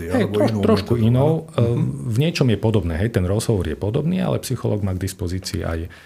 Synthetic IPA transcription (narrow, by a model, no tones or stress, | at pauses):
ɦɛjt̪ɾɔʃt̪ɾɔkuinɔʊ | vɲɪɛt͡ʃɔmjɛpɔd̪ɔbnɛːɦɛjt̪ɛnɾɔzɦɔʋɔɾjɛpɔd̪ɔbniːa̰lɛ̰psixɔlɔ̰ːɡmaːɡd̪ispɔziːt͡sḭːʔa̰j